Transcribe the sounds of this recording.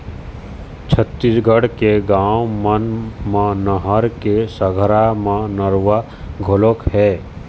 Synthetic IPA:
t͡ʃʰət̪ːisɡʱəɽkeɡãːwmənmãnəɦəɾkesəɡʱəɾamãnəɾʋa | ɡʱolokhɛː

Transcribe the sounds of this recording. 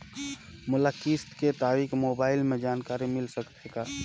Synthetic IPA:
mʊləkist̪ket̪aːɾikmoːbaːɪlmẽd͡ʒaːnkaːɾimɪlsəkt̪eka

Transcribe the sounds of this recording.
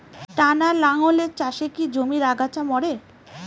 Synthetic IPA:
ʈanalaŋoleɾt͡ɕaʃekid͡ʑomiɾaɡat͡ɕamɔɽe

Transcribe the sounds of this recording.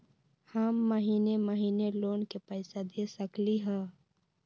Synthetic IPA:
haːmːəɦiːneməɦiːneloːnkepəɪsad̪esəkliɦɛ̃ː

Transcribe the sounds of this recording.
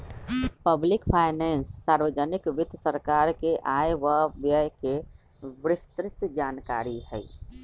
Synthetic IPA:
pəblikpʰajnɛnsːaɾʋəd͡ʒənikʋid̪ʱsəɾkaɾkeʔajwəbjəjke | bɾɪst̪ɾɪt̪d͡ʒanka̰ɾiɦəj

